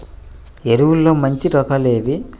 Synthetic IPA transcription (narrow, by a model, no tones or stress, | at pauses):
eɾuwulːo̞ːmɐɲt͡ʃiɾɔkɐleːʋi